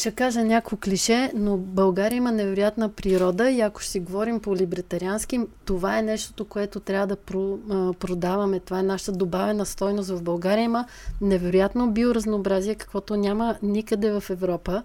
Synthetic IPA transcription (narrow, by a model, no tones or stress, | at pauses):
ʃɛkaʒənʲakoklʲiʃɛnobɐlˠɡaɾiəimənɛvɛɾojat̪nəpɾiɾɔd̪əiɐko̥ʃt̪ɛɡovɔɾimpolʲibɾɐt̪ɐɾianskimt̪ovaɛnɛʃt̪o̥t̪okoɛt̪ot̪ɾʲavəd̪ɐpɾopɾod̪avɐmɛt̪ovaɛnaʃə̥t̪əd̪obavɛnəst̪ɔjnost̪vɐvbɐlˠɡaɾiəimə | nɛvɛɾojat̪nobioɾəznoːbɾaziɛkɐ̥kvɔt̪onʲamənikəd̪ɛvɐfɛvɾɔpə